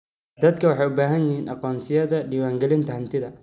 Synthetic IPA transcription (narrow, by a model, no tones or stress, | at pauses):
d̪ɐd̪kʰɐwɑħɑjʊbaːɦɐnjɪhiːnʔɑqɔːnsɪjɐðɐɖiːwaːŋɡɛlɪnt̪ɐhɐnt̪ʰɪðɐ